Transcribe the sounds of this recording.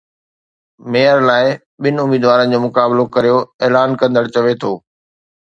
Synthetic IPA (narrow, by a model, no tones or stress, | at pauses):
meːəɾlaːɪ | ɓɪnɪ̆ʊmiːd̪ʋaːɾənɪ̆d͡ʑoːmʊkaːblokɐɾijoeːlaːnkɐ̃nd̪əɽt͡ɕɐʋet̪ʰoː